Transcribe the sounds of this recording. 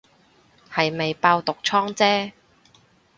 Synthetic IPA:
hɐ˨jme˨jpaː˧wt̪ʊ˨k̚t͡sʰɔː˥ŋt͡sɛː˥

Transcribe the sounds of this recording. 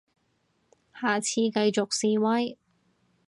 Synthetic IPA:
haː˨˩t͡sʰiː˧kɐ˧jt͡sʊ˨k̚siː˧wɐ˥j

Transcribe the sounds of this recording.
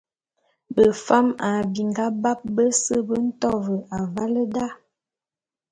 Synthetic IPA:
bə˨fa˦ma˨bi˨ŋɡa˦ba˦p̚bə˦sə˦bə˦n̩˦tɔ˦və˨ʔa˨va˦lə˦da˦

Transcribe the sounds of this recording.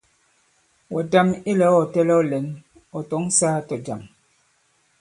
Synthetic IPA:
wɔ˨da˦mi˦lɛ˨˦ɔ˨tɛ˦lɛ˦ɔ˦lɛ˨˦n | ɔ˨tɔ˨˦ŋsaː˦tɔ˨d͡ʒa̰˨m

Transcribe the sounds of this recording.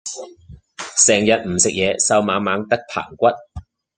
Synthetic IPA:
sɛː˨˩ŋjɐ˨t̚m̩˨˩sɪ˨k̚jɛː˨˧sɐ˨wmaː˨˧maː˨˧ŋt̪ɐ˥k̚pʰa̰ː˨˩ŋkʷɐ˥t̚

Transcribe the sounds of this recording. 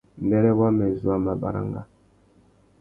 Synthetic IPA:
n˨dɛ˦ɾɛ˦wa˦mɛ˨zu˨˦a˦ma˨ba̰˨ɾa̰˦˨ŋɡa̰˦

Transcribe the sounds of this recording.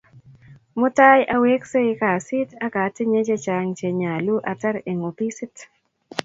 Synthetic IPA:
mʊ˦ta˦jʔa˦we˦kse˦ɪ˦ka˨sɪ˦ta˦ka˨˦tɪ˦ɲe˦d͡ʒe˦t͡ʃa˨˧ŋt͡ʃe˨ɲa˨lu˦ʔa˨ta˦ɾe˨ŋo˨pi˦sɪ˦t

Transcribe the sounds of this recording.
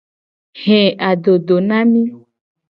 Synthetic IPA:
hẽ˨ʔa˨ɖo˨ɖo˨nã˦mĩ˦

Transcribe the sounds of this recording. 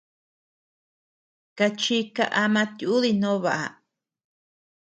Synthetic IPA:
ka˧t͡ʃi˦ka˧ʔa˧mã˧t̪ju˨u˦ði˧nõ˦βa˨ʔa̰˨˧

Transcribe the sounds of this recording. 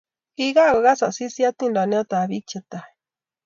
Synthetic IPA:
iɣaɣoɣa˦sa˨si˦siat̪i˦nda˨ne˦ot̪aː˨βi˦k̚t͡ʃat̪a˨

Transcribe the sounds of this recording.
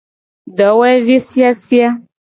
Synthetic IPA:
ɖɔ˨˦wɔ˦ɛ˦vi˦si˦a˦si˦a˦

